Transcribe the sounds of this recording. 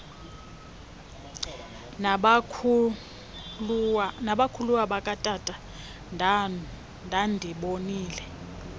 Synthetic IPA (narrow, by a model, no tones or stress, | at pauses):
naɓakʰuluwaɓakʼatʼatʼa | ndʱandʱiɓoniːlɛ